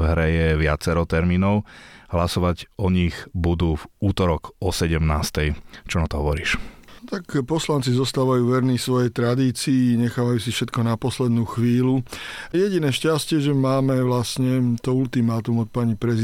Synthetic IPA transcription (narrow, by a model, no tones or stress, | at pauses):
ɦɾɛjɛʋɪat͡sɛɾɔt̪ɛɾmiːnɔʊɦlasɔʋaɟɔɲiɣbud̪uːvuːt̪ɔɾɔɡɔsɛɟɛmnaːst̪ɛjt͡ʃɔnat̪ɔɦɔʋɔɾiːʃt̪akpɔslant͡sizɔst̪aːʋajuːʋɛɾnisʋɔjɛjt̪ɾad̪iːt͡siːɲɛxaːʋajuːsifʃɛt̪kɔnapɔslɛd̪nuːxʋiːlujɛɟinɛːʃcascɪɛʒɛmaːmɛʋlasɲɛt̪ɔult̪imaːt̪umɔt̪̚paɲipɾɛz